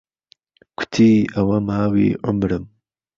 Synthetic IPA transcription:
kʰʊ̥t̪ʰiːʔɐwɐmhaːwḭːʕʊmɾɨm

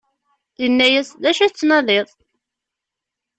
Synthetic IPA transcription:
ðənːæjæsðæʃæt͡sːnɑðeðˤ

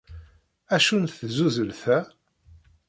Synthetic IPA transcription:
æʃunθzuzəlθæ

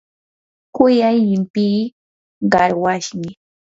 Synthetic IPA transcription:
kʊjajɪmpiː | ɢɑɾwaʃmɪ

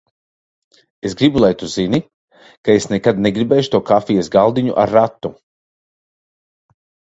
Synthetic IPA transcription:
esɡɾibulˠajt̪uzini | kaesnɛkad̪nɛɡɾibɛːjʃt̪uɔkafijɛsɡalˠd̪iɲṵʔa̰ɾːat̪ːu

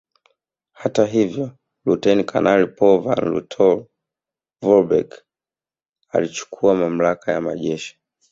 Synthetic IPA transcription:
hataɦivjɔ | lutɛnikʰa̰nalipɔvanlṵtʰɔl | vɔbɛ̰k | a̰lit͡ʃu̥kʰuamam̩lakʰaja̰ma̰ʄɛʃi̥

